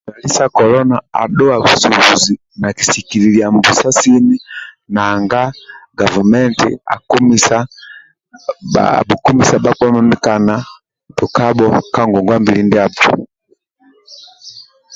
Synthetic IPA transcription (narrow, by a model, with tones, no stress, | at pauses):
ba˨li˦sa˦˨kɔ˨lɔ˦na˨a̰˨ɗɔ˦a˨βu˨su˨u˨zi˨ | na˨ki̥˨si˨ki˨li˨li˨a˨mbu˨sa˦si˦ni˦ | naː˨ŋɡa˦ɡa˨vu˨mɛ˦ntḭ˨a̰˨ku˦misa˨ | bu˨ku˦mi˨sa˨ba˦k͡pɔ˦ma˦mi˦ka˨na˨ | tɔ˨ka˦bɔ˦ka˦ŋɡɔ˨ŋɡwa˦mbi˨li˦ndia˦bɔ˨